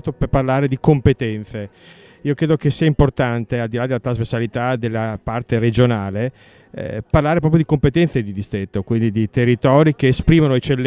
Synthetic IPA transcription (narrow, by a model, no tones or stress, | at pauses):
t̪operparlaːɾed̪ikompet̪ɛnt̪se | iːokɾeːd̪ok̟esiːaimport̪ant̪eald̪ilad̪elat̪ɾazversalit̪ad̪elːapart̪eɾed͡ʒonaːlḛ | parlaːɾep̬ɾɔpjod̪ikompet̪ɛnt̪sed̪id̪ist̪ɾet̪ːokwind̪id̪it̪erːit̪ɔːɾik̟eːspɾiːmanoet͡ʃelː